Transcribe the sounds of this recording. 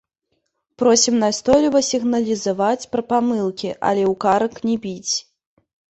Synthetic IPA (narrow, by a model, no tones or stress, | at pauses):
pɾɔsʲimnast̪ɔjlʲivɐsʲiɣnɐlʲizavat͡sʲpɾɐpamɨlˠkʲiʔa̰lʲɛwkaɾɐknʲɛbʲit͡sʲ